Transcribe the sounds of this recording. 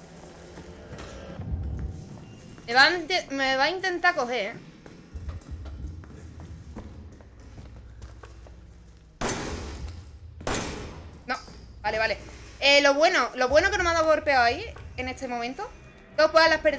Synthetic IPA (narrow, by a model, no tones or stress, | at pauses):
meβat̪emeβaint̪e̞nt̪ako̞ɦe̞ | nõbale̞βale̞elo̞βwe̞nolo̞βwe̞nokenomaðaɣoɾpeawaiene̞st̪e̞momẽnt̪o | d̪opwealahpe̞ɾ